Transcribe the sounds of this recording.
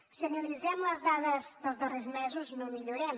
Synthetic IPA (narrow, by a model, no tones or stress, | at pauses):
siənəlizɛmləzðaðəzðəlˠzðərezmɛzuznõmiʎuɾɛm